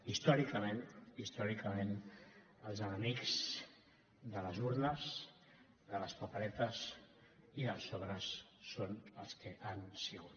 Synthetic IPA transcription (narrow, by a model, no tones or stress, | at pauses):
ist̪ɔɾikəmẽnist̪ɔɾikəmen | əlˠzənəmikz̥ | d̪ələzuɾnəs | d̪ələspapəɾɛt̪əs | iðəlˠsoβɾəsːonəlˠskəʔansiɣut̪